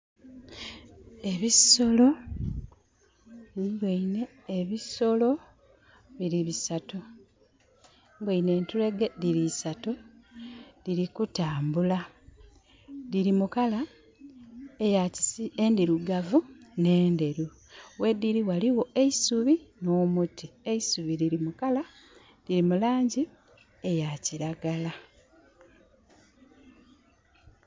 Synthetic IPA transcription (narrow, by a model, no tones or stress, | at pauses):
e̞βiso̞lo̞ | bweine̞ː | βiso̞lo̞ | βiɾiβisatu | mbweine̞ːntule̞ɡediɾisatu | ðiɾikutaːmbula | ðiɾimukala | ejaiendiɾuɡavune̞ːnde̞ɾu | we̞dːiɾiwaliwo̞e̞isuβino̞ːmutʰieisuβiɾiɾimukala | ðiɾimulaːɲɟi | e̞jaciɾaɡala